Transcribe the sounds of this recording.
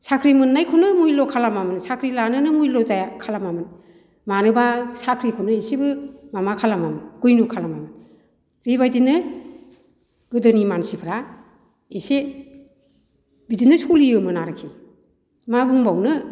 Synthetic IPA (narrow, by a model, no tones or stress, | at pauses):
sakʰɾimɯnːajkʰunɯmujlɔkʰalamamɯnsakʰɾilanɯnɯmujlɔzajakʰalamamɯn | manɯbasakʰɾikʰɔnɯesebɯmamakʰalamamɯnɡɯjnukʰalamamɯn | ɾeβajdinːɯ | ɡɯdɯnimansipʰɾa | ese | bidinːɯsulijɯmɯnaɾɯkʰi | mabɯŋbawnɯ